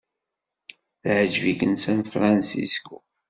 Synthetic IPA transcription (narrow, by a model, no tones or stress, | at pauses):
θʕəʒvikənsænfɾˤɑnsḭsku